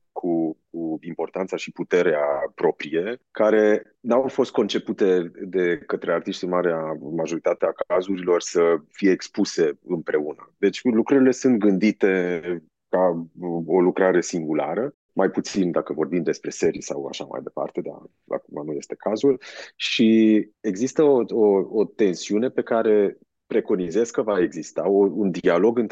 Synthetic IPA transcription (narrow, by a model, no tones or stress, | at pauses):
kʰukuimpo̞rt̪ant̪saʃiput̪e̞ɾeapɾo̞pɾije̞kaɾe̞ | nawfo̞st̪̚ko̞nt͡ʃe̞put̪e̞d̪e̞kət̪ɾe̞art̪iʃt̪imaɾeamaʒo̞ɾit̪at̪eakazuɾilo̞rsəfije̞ːkspuse̞ɨmpɾe̞unəd̪e̞t͡ʃʲlukɾuɾile̞sunt̪̚ɡɨnd̪it̪e̞ | ka | o̞lukɾaɾe̞siŋɡulaɾə | majput̪sind̪akəvo̞rbimd̪e̞spɾe̞se̞ɾisawa̰ʃama̰jd̪e̞pa̰rt̪e̞d̪a̰ | a̰kumanuje̞st̪e̞kazulʃie̞ɡzist̪əooot̪e̞nsiune̞pe̞kaɾe̞ | pɾe̞ko̞nize̞skəvae̞ɡzist̪aound̪ialo̞ɡɨnt̪